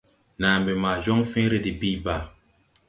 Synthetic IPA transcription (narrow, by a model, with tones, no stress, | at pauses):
naː˨m˨bi˨ma˨d͡ʒɔ˦ŋfĩ˦ɾe˦di˨bi˦ba˨